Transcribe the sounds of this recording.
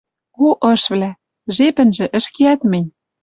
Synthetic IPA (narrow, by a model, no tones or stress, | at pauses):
oʔɤ̆ʃβlæ | ʒepɘ̆nʒĕʔɘ̆ʃkeæt̪mɘ̆nʲ